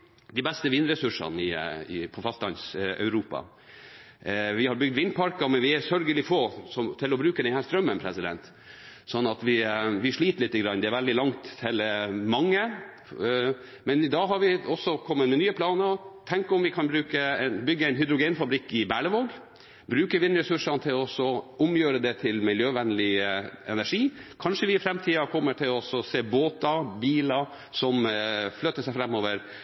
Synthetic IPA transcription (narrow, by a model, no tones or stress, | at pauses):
d̪ɪbɛst̪əʋɪnɾɛsʉʂɑ̰nɪɪ̰pʰɔfɑst̪ɑnsœ̰ʉɾuːpɑ̰ | ʋɪhɑɾbʏɡ̚d̪ʋɪnpʰɑɾkɑmɛnʋɪæsœɾɡəlɪfoːsɔmt̪ʰɪlɔbɾʉːkəd̪ɛnhæːst̪ɾœmːənpʰɾɛsɪd̪ɛ̰nt̪ | sɔnːɑt̪ʋɪʋɪʂɭiːt̪əɭlɪt̪ːəɡɾɑnːd̪ɛæɾʋɛld̪ɪlɑŋt̪ʰːelmɑŋːə | mɛnɪd̪ɑːɦɑɾʋɪɔsːɔkʰɔmːəmɛnyːəpʰlɑːnət̪ʰɛŋkəɔmʋɪkʰɑnbɾʉːkəɛnbʏɡːəɛɪnɦʏd̪ɾʊɡeːnfɑbɾɪkːɪbæɭəʋoːɡ | bɾʉːkəʋɪnɾɛsʉʂɑnt̪ʰɪlɔsɔʊmjøːɾəd̪ɛt̪ʰɪlmɪljøːʋɛnəlɪɛ̰næʂiːkʰɑnʂəʋɪɪfɾɛmt̪ʰiːɑkʰɔmːəʈʰɪlɔsɔseːboːt̪ɑbiːlɑ | sɔmflœt̪ːəʂæɪfɾɛmːoːʋəɾ